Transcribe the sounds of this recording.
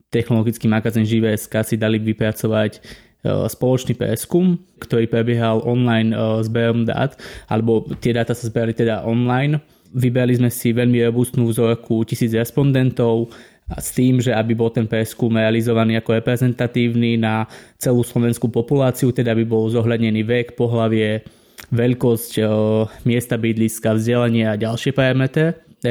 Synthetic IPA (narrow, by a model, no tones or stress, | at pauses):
t̪ɛxnɔlɔɡit͡skiːmaɡaziːnʒiʋɛɛskaːsid̪aliʋipɾat͡sɔʋac | spɔlɔt͡ʃniːpɾɛ̰skumkt̪ɔɾiːpɾɛbɪɛɦalʔɔnlajnzbɛɾɔmd̪a̰ːt̪a̰lɛbɔt̪ɪɛd̪aːt̪asazbɛɾalit̪ɛd̪aʔɔnlajn | ʋibɛɾalizmɛsiʋɛʎmiɾɔbust̪nuːvzɔɾkʰucisiːd͡zɾɛspɔnd̪ɛnt̪ɔʊ | st̪iːmʒɛabibɔlˠt̪ɛnpɾɛskumɾɛalizɔʋaniːakɔɾɛpɾɛzɛnt̪at̪iːʊninat͡sɛluːslɔʋɛnskupɔpulaːt͡siut̪ɛd̪aabibɔlzɔɦʎad̪ɲɛniːʋɛkpɔɦlaʋɪɛ | ʋɛʎkɔscmɪɛst̪abid̪liskavzɟɛlaɲɪaaɟalʃɪɛpɾɛd̪mɛt̪ɛ